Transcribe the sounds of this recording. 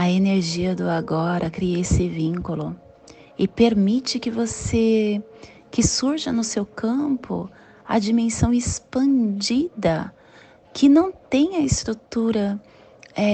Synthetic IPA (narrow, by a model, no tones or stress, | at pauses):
ɐeneɾʒiɐd̪ʊaɡɔɾɐkɾiɐesɪvĩŋkʊlʊ | ɪpeɾmit͡ʃɪkɪvose | kɪsuɾʒɐnʊsewkɐ̃mpʊ̰ | ɐ̰d͡ʒimẽsɐ̃w̃ɪspɐ̃d͡ʒid̪ɐ | kʰɪnɐ̃w̃t̪ẽj̃ɐɪst̪ɾut̪uɾɐ | ɛ